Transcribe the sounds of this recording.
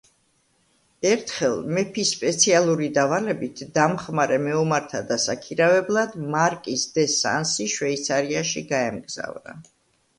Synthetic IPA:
ɛɾt̪ʰχɛlˠmɛpʰisːpʼɛt̪sʰialˠuɾid̪avalɛbit̪ʰd̪amχmaɾɛmɛumaɾt̪ʰad̪asakʰiɾavɛblˠad̪maɾkʼisd̪ɛsa̰nsiʃwɛit̪sʰaɾiaʃiɡaɛmɡz̥a̰vɾa̰

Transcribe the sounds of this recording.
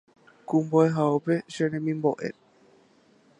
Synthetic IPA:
kũmboeɦaopeʃeɾemĩmboʔḛ

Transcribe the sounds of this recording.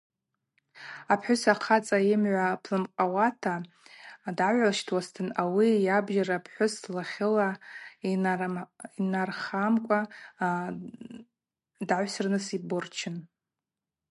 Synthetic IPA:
apʰħʷᶣʊsaqʰat͡sʼaɪmʕʷapʰlɨmqʼawatʰa | daʕʷalʃtʰwastʰɨnawijabʒaɾapʰħʷʊslaχʲɪla | inarχamkʷʼa | daʕʷsɨrnɨsibʊrt͡ʃʰɪn

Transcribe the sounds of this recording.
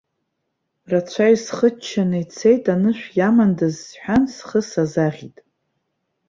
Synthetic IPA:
rat͡ɕʷʰajsχət͡ʃʰːanɨjt͡sʰejtʼanɨʃᶣʷjamandazħʷᶣansχəsazaʁʲitʼ

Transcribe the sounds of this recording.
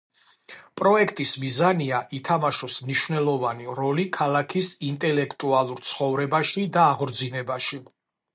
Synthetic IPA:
pʼɾɔɛkʰt̪ʼismizaniaʔit̪ʰamaʃɔsmniʃvnɛlˠɔvaniɾɔlikʰalˠakʰisint̪ʼɛlɛkʰt̪ʼualˠuɾt̪sʰχɔvɾɛbaʃid̪aːʁɾd̪zinɛbaʃi

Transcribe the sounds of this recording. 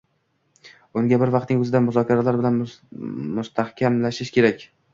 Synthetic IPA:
ʊŋɡʲabɪɾvɑqt̪nɪŋɵzɪd̪amʊzɒkʲʰaɾalaɾbɪlan | mʊst̪ʰahkʲʰamlaʃɪʃkʲʰe̞ɾakʲ

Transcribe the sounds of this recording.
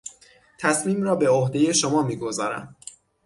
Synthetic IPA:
t̪ʰæsmiːmrɒːbe̞ohd̪e̞je̞ʃomɒːmiːɡo̞zɒːɾæ̰m

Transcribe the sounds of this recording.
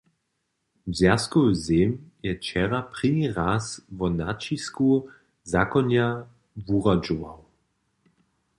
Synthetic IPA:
bzʲaskɔzemjɛt͡ʃɛʁapʁ̥iniʁasvɔnat͡ʃisku | zakɔnja | vuʁad͡ʒuvaw

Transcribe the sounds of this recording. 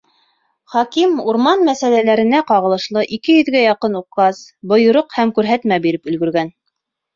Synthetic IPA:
χɑkimuɾmɑnmæsælælæɾɘ̆næqɑʁɤ̆lˠɤ̆ʃlˠɤʔikɘjɵ̆ðɡæjɑqɤnuqːɑsbŏjŏɾoqhæmkʉɾɦæt̪mæbiɾɘpɵ̆lɡɵ̆ɾɡæn

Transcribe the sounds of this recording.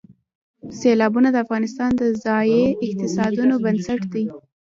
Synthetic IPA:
selɑbunad̪əafɣɑnɪst̪ɑnd̪əzɑjeɪq̚t̪ɪsɑd̪unobansaʈd̪i

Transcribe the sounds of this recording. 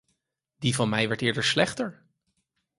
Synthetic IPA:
divɑnmɛjʋɛɹtɪːɹdəɹslɛχtəɹ

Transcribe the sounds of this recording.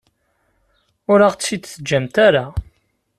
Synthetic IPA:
ʊɾaʁt͡ssid̪θəd͡ʒːæmt̪aɾa

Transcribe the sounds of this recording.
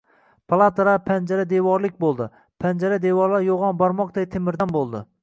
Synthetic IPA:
pʰalˠat̪aɾapʰand͡ʒaɾad̪evɒɾlɪk̚ʲbolˠd̪ɪ | pʰand͡ʒaɾad̪evɒɾlˠaɾjoʁɒnbɒɾmɒq̚d̪ajt̪ʰemɪɾd̪anbolˠd̪ɪ̰

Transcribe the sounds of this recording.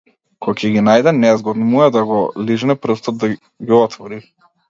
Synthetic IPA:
kʰɔcʰɛɡinajd̪ɛnɛzɡɔd̪muɛd̪aɡɔliʒnɛpɾ̩st̪ɔd̪̚ːa | ɡiɔt̪vɔɾi

